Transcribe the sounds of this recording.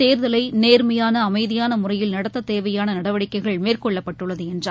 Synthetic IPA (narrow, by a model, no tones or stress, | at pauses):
eːɾðɐlɐɪneːrmɐjaːnɐːmɐɪðɪjaːnɐmʊrɐjɪlnɐɽɐt̪ːɐt̪ːeːʋɐjaːnɐnɐɽɐʋɐɽɪkːɐɪɣɐɭmeːrkɔɭːɐpːɐʈːɯɭːɐðɯɛndra